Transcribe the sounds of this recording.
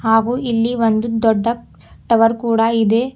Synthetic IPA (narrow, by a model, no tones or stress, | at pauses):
haːɡuːilːiʋond̪ud̪ɔɖːɐ | ʈɐʋɐɾkuːɽɐid̪eː